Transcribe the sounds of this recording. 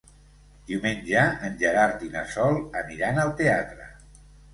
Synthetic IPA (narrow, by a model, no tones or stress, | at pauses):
d̪̥iwmenʲʒaənʲʒəɣaɾt̪inasɔlˠəniɾanəlˠt̪eat̪ɾə